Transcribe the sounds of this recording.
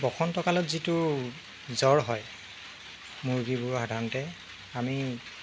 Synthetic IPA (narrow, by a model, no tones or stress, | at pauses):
bɔxʰɔntɔkalɔtzitʊ | zɔɹɦɔj | muɹɡibʊɹxadʱanɔtɛ | ami